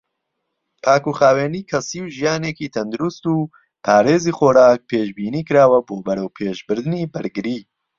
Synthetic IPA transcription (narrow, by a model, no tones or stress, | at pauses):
pʰaːkuχaːweːniːkʰɐsiːwʒijaːneːkiːt̪ʰɐnd̪uɾust̪uː | pʰaːɾeːziːχoːɾaːk̚pʰeːʃbiːniːkɨɾaːwɐboːbɐɾɐwpʰeːʒbɨɾd̪ɨniːbɨɾɡɨɾiː